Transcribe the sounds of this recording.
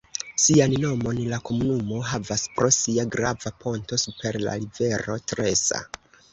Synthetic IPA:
sianno̞mo̞nlako̞munumo̞ɦavaspɾo̞siaɡɾavapo̞nto̞supe̞ɾla̰live̞ɾo̞tɾe̞sa̰

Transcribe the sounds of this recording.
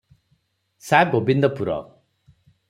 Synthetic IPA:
saɡobind̪ɔpuɾɔ̰

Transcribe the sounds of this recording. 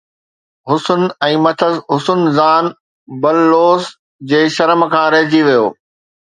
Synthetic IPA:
ɦʊsʊnɛ̃ːmɐt̪ʰəzɦʊsʊnzaːn | bɐlːoːs | d͡ʑeːʃɐɾəmkʰãːɾɐɦd͡ʑiʋijo̰ː

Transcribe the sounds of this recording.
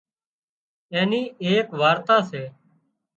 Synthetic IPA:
ɛːniːeːkʋaːɾt̪aːseː

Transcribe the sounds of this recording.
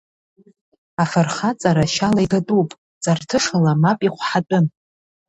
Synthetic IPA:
afarχat͡sʼaɾaʃalaidatʼupʼ | t͡sʼartʰɨʂalamapʼiχʷħatʼʊn

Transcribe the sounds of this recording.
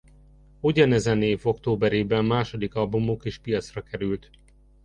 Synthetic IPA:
uɟɒnɛzɛneːvo̞kt̪oːbɛɾeːbɛmːaːʃo̞d̪ikɒlbumokeːʃpijɒt̪srɒkɛɾylt̪

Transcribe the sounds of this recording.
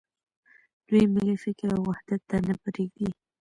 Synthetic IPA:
d̪̥ujmlifɪkɾawwahd̪̥at̪ːanapɾeɡi

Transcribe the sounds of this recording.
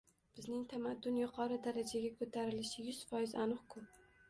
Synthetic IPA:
b̥ɪznɪŋt̪ʰamad̪ːʊnjʊqʰɒɾɪd̪aɾad͡ʒaɡʲakʰot̪ʰaɾɪlɪʃɪjʊz̥fɒjɪzanʊχkʰʊ

